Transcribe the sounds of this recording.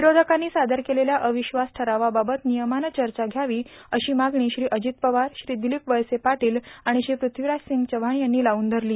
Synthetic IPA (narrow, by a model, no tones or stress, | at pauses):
ʋiɾod̪ʱəkanːiːsad̪ʱəɾkeleljaʔəʋiɕʋasʈʰəɾaʋababət̪nijəmanət͡ɕəɾt͡ɕaɡʱjaʋiːəɕiːmaɡɳ̃iːɕɾiːʔəd͡ʑit̪̚pəʋaɾɕɾiːd̪ilikʋəjsepaʈiːlaɽ̃iɕɾiːpɾut̪ʰʋiɾasiŋɡt͡ɕəʋ̤aɳ̃janːiːlauːnd̪ʱəɾliː